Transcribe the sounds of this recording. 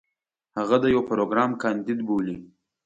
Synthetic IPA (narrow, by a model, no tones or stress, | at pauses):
haɣad̪əjawpɾoɡɾɑmkɑnd̪id̪boli